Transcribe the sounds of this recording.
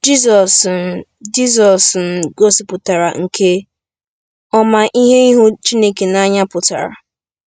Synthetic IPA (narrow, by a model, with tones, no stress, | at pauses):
d͡ʒi˦zɔ˨s | d͡ʒi˦zɔ˨sn̩˨ɡo˦si˨pʊ˨ta˨ɾa˨ŋ̩˨kʰe˦ | ɔ˦ma˨ʔi˦ɦe˦i˦ɦu˦t͡ʃi˦ne˦ke˨na˦ɲa˦pʊ˨ta̰˨ɾa̰˨